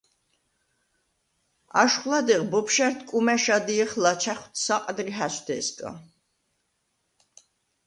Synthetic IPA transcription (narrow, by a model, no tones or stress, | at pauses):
a̰ʃχlˠad̪ɛʁbɔpʰʃɛɾt̪ʰkʼumɛʃad̪iɛχlat͡ʃʰaχwt̪ʰsaqʼd̪ɾiɦasʰd̪ɛskʼa̰